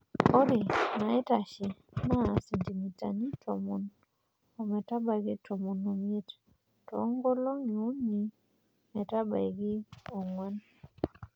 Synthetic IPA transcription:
ɔ˦ɾi˨na˨ɪ˦ta˨ʃi˨na˦˨si˨ndi˨mi˨ta̰˨ni˦tʰo̰˨mu˨n | ɔ˨mɛ˨ta˦ba˨ɡɪ˦tʰo˨mu˨no˨mi˦e˦t | tɔ˨˦ŋɡɔ˦lo˦ŋi˨u˦ɲi˨ | mɛ˨ta˦ba̰˨i˨ɡɪ˦o˨ŋwa˦n

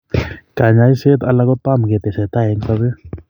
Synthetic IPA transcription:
ka˨ɲa˦jse˦t̪a˨la˧˦kɔ˦t̪a˦mɡe˨t̪e˨sɛ˨t̪a˦ɛ˨ŋka˦be˦

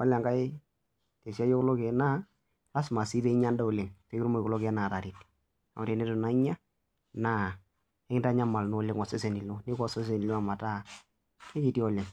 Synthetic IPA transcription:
wa˦la˨ŋɡa˦ɪ˦ | te˨sja˦jo˦kʊ˦lo˦ke˨na˦ | a˦sma˨si˦ðe˦ɲa˦nda˦o˨le˨ŋte˦kɾmo˦˨ko˨lo˦ke˨˦na˨ta˨ɾi˨t | a˨mɔ˦tɛ˨ne˦tu˨na˦ɪ˦ɲa˦ | na˦˨˦ | kɪ˦nda˦ɲa˦ma˨lnʊ˦o˦le˦ŋɔ˨sɛ˦se˨ni˨lo˦nɪ˦kɔ˦se˦s̬e˨ni˨lo˦a˨ma˨ta˦ | ke˦ki˨ti˦ɔ˨le˨ŋ

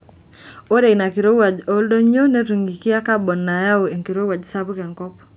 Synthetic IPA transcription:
o˦ɾe˨ina˨ki˨ɾo˦wa˨d͡ʒo˨˦ldo˦ɲo˦ne˦tu˨ŋɡi˨kɪ˦a˦ka˦bɔ˨nːa˨ja˦o˨e˨ŋki˨ɾo˦wa˨d͡ʒsa˦bu˦ka˨ŋkɔ˦p

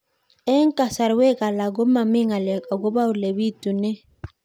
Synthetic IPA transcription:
ɛ˦ŋka˨sa˨ɾwɛ˦ka˨la˨ɡɔ˦ma˨mi˦ŋa˨lɛ˨ka˨ɡɔ˦ba˦wle˨bi˦tu˨nɛ˦

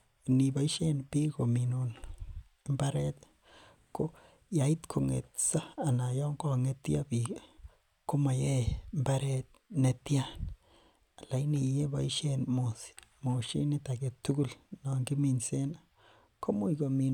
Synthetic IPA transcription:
ni˨ba˨i˦ʃe˦npi˦ɡo˨mi˨no˨n˦ | mba˦ɾe˦t̪ | ko˦ | ja˨i˦t̪kʰo˨ŋḛ˨t̪̚saː˦˨na˨jɔ˦ŋɡo˦˨ŋe˦t̪ja˦bi˨ | ko˦ma˨je˦mba˦ɾe˦t̪̚ne˦t̪ja˦ | a˨la˨jni˨je˦ba˨i˦ʃe˦nmo˨smo˨ʃi˦ni˦t̪a˨ɡe˨t̪ːu˦ɡu˦˨lna˨ŋɡi˦mi˨nse˦na˨ | ko˦mu˦jɡo˨mi˨

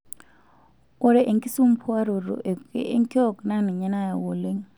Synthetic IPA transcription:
ɔ˦ɾɛ˨ʔe˨ŋkʼi˦su˦m̩˦pʰɔ˦a˦ɾɔ˨ɾɔ̰˨ʔɛ˨kɛ̰˨e˦ŋkʼi˦ɔ˦˨kna˦ni˨ɲɛ˦na˦˨ja˨wɔ˨le˦ŋ

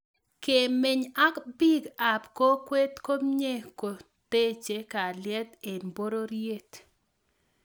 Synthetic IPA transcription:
ke˨mɪ˨ɲa˦kbi˦ɡa˨pko˦kwe˦t̪ko˦mɲe˦ko˨ | te˦t͡ʃe˨ka˨ljɛ˦t̪e˨nbo˦ɾo˦ɾje˦t̪

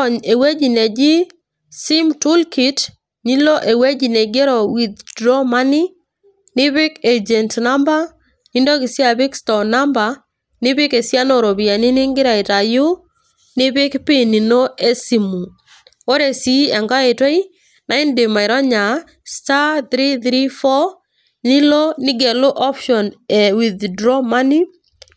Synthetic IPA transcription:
ɔ˨ɲe˨we˦d͡ʒi˨nɛ˨d͡ʒɪ˦ | si˦mtu˦lki˨t | ni˦lo˦ʔe˨we˦d͡ʒi˨ne˨ɡe˦ɾɔ˨wɪ˨ddɾɔ˦ma˦ni˦ | nɪ˦βɪ˦ked͡ʒɛ˨ntna˦mba˦ | ni˦ndo˦kɪ˨sja˦bɪ˦kstɔ˨na˦mba˨ | nɪ˦bɪ˦ke˨sja˦no˨ɾo˨bi˨a˨nɪ˦nɪ˦ŋɡɪ˦ɾa˨ɪ˨ta˨jʊ˦ | nɪ˦βɪ˦kpɪ˦ni˨no˦e˦si˨mu˨ | o˦ɾe˨si˦ɛ˨ŋɡa˦e˨twe˦i˦ | na˦ɪndɪ˨ma˨ɪ˨ɾɔ˦ɲa˨ | sta˦θɾi˦θɾi˦fɔ˦ | ni˦lɔ˦nɪ˦ɡɛ˨lo˦ʔɔ˦pʃɔ˨nɛ˨wi˨ðdɾɔ˦ma˦ni˦

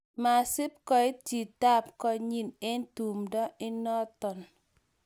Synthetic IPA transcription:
ma˨sɪ˦p̚kɔ˨ɪ˦ti˨ta˦p̚kɔ˧ɲi˦ne˦ntu˨mdɔ˦ɪ˦nɔ˦tɔ˨n

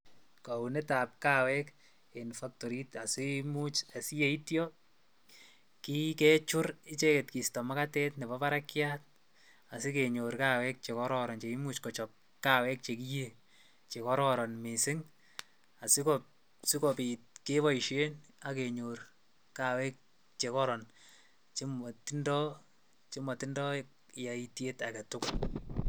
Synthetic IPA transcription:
ka˨unɛ˦ta˨p̚kawɛk | enfak̚toɾi˦ta˨sɪmut͡ʃa˨si˦je˨i˦tjɔ | ki˦kɛt͡ʃʊ˦ɾɪ˦t͡ʃe˦ke˨tki˨stɔma˦katɛ˦tnɛ˨bɔpa˦ɾakjat̚ | a˨sɪ˦keɲoɾkawɛk̚t͡ʃe˨kɔɾɔɾɔnt͡ʃe˨i˦mut͡ʃkɔt͡ʃɔp̚ | kawɛ˦k̚t͡ʃe˨kije | t͡ʃe˨kɔ˦ɾɔɾɔ˨nme˨sɪ˦ŋ | a˨sɪ˦kɔ | si˦kɔ˨pi˨t̚ke˦βa˦i˨ʃe˦na˨ke˨ɲor | kawɛ˦k̚ | t͡ʃe˨kɔ˦ɾɔ˨n | t͡ʃe˦mɔti˦ndɔ | t͡ʃe˦mɔ˨ti˦ndɔ | ja˨itje˦taɡa˨tʊkʊt̚

